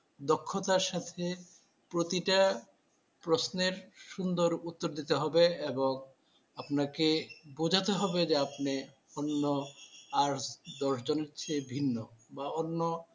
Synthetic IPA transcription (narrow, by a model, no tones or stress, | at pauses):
d̪ɔkʰːot̪aɾʃat̪ʰe | pɾot̪iʈa | pɾosneɾʃund̪oɾut̪ːoɾd̪it̪eɦɔbeeboŋ | apnakebud͡ʑʱat̪eɦɔbed͡ʑeapne | onːoaɾsd̪ɔʃd͡ʑoneɾt͡ɕʰebʱinːobaonːo